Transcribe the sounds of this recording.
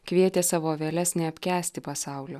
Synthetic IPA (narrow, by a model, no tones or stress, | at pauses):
kʋʲiɛt̪ʲeːsɑːʋoːʋʲeːlʲɛsnʲɛɐpʲkʲæːsʲt̪ʲɪpɐsɑˑʊlʲo